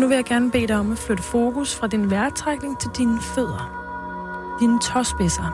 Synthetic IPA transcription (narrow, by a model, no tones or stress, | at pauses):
nuʋe̝jɑ̈ɪɡ̥æɐnəb̥e̝̰ːɾɑ̈ɪɒ̽mæ̥fløɾ̥əfo̝ːkʰusfʁɑ̈d̥inʋæɐ̥t͡sʰʁaɡ̥ne̝ŋt͡sʰe̝ld̥inəføð̰ˠɐ | d̥iːnət͡sʰɒsb̥esɐ